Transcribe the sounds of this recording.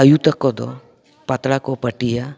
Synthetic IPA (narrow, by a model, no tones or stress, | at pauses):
əjut̪ɐkɔd̪ɔ̰ | pɐt̪ɾakɔpəʈija